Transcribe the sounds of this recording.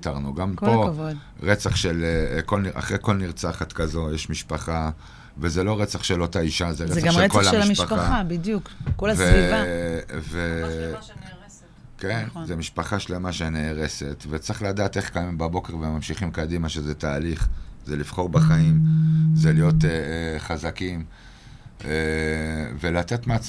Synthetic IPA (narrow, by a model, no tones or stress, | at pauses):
t̪aʁnuɡamkpo̞vd | ʁet͡saχʃelko̞lniʔa̰χʁejko̞lniʁt͡saχat̪kazo̞jeʃmiʃpaχa | vezelo̞ʁet͡saχʃe̞lot̪aiʃazeʁeaekolaʃiʃpaχaaabidjukolveviv | ve | kenzemiʃpaχaʃlemaʃeneːʁe̞se̞t̪vet͡sʁiχlad̪aːt̪e̞χkajimbabo̞ke̞ʁvemamʃiχimkad̪imaʃezetaːliχzelifχo̞ʁbaχaimzelijo̞t̪eχazakim | e | ve̞lat̪e̞t̪meat͡s